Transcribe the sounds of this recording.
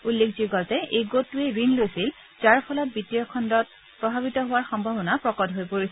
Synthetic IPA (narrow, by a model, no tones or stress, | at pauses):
ulːekziɡɔltɛʔejɡotːueɹinlojsil | zaɹpʰɔlɔt̚bitijɔkʰɔndɔt̚ | pɹɔbʱabitɔɦʊwaɹxɔmbʱabɔnapɹɔkɔdʱɦojpoɹisɛ